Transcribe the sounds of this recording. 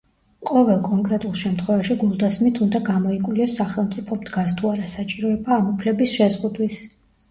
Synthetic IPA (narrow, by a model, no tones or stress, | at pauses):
qʼɔvɛlˠkʼɔŋkʼɾɛt̪ʼulˠʃɛmt̪ʰχwɛvaʃiɡulˠd̪asmit̪ʰund̪aɡamɔikʼwliɔsːaχɛlˠmt̪sʼipʰɔmd̪ɡast̪ʰuaɾasat͡ʃʼiɾɔɛbaːmupʰlɛbisʃɛzʁud̪wis